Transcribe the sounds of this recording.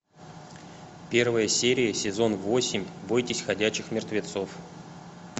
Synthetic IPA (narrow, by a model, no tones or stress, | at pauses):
pʲe̞rvəjəsʲeɾʲɪjəsʲɪzo̞nvo̞sʲɪmʲbo̞jtʲɪsʲxɐdʲæt͡ɕɪxmʲɪrt̪vʲɪt̪so̞f